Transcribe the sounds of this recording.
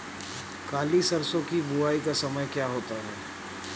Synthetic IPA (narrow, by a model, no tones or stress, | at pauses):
kaːliːsɐɾsõkibuaːikasɐməjkjaːɦoːt̪aɦɛː